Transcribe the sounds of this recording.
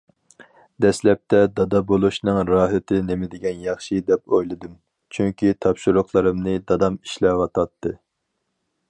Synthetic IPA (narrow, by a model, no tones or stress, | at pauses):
d̪ɛslɛp̚t̪ʰɛd̪ɑd̪ɑbolˠuʃnɨŋɾɑːɦɪt̪ʰɪnemɪd̪ɪɡʲɛnjɑχʃid̪ɛp̚ojlˠɨd̪ɨm | t͡ʃʰyŋkʲit̪ʰɑpʃuɾʊχlˠɨɾɨmnɨd̪ɑd̪ɑmi̥ʃlɛwɑt̪ʰɑt̪ʰːɨ